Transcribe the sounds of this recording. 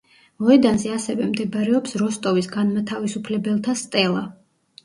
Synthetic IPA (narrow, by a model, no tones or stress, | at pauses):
mɔɛd̪anzɛasɛvɛmd̪ɛbaɾɛɔpsɾɔst̪ʼɔvisɡanmat̪ʰavisupʰlɛbɛlˠt̪ʰast̪ʼɛlˠa